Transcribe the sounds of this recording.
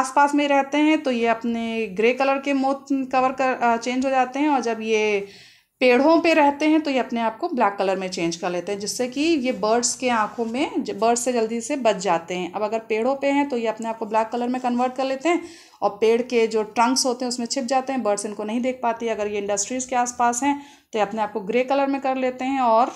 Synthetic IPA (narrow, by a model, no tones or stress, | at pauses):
aːspaːsmẽɾɛɦt̪eɦɛ̃t̪ojeɐpneɡɾeːkɐləɾkemoːt̪kɐʋəɾkɐt͡ʃẽːnd͡ʒɦod͡ʒaːt̪eɦɛ̃ɔːɾd͡ʒɐbje | peːɽ̤õpeɾɛɦt̪eɦɛ̃t̪ojeɐpneaːp̚koblaːkːɐləɾmẽt͡ʃẽːnd͡ʒkɐɾleːt̪ẽɦɛ̃d͡ʒɪsːekijebəɾɖskeãːkʰõmẽbəɾɖsːed͡ʒɐld̪izsebɐt͡ʃd͡ʒaːt̪eɦɛ̃ːʔɐbɐɡəɾpeːɽ̤õpeɦɛ̃t̪ojeɐpneaːp̚koblaːkːɐləɾmẽkɐnʋəːɾʈ̚kɐɾleːt̪eɦɛ̃ː | ɔ̰ːɾpeːɽ̤ked͡ʒoːʈɾɐ̃ŋksɦoːt̪eɦɛ̃ʊsmẽt͡ʃʰɪp̚d͡ʒaːt̪eɦɛ̃bəɾɖsɪnkonɐɦĩd̪eːk̚ʰpaːt̪iɦɛɐɡəɾjeɪ̃ɳɖəsʈɾiːzkeaːspaːsɦɛ̃ː | t̪ojeɐpneaːp̚koɡɾeːkɐləɾmẽkɐɾleːt̪eɦɛ̃ɔːɾ